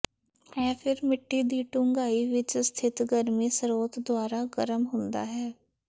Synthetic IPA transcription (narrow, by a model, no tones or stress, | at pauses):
ɛːpʰɪɾmɪʈʰːiːd̪iːʈʊŋɡaːiːʋɪt͡ʃst̪ʰɪt̪ɡəɾmiːsəɾoːt̪d̪oaːɾaːɡəɾəmɦʊnd̪a̰ːɦɛː